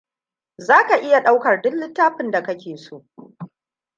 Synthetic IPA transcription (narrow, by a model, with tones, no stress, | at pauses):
zaː˦ka˨ʔɪ˦ja˨ɗa˦wkɐ˨rdʊ˦nlɪ˦tːaː˦ɸɪ˦nda˨kɐ˦kʲeː˨soː˦ʔ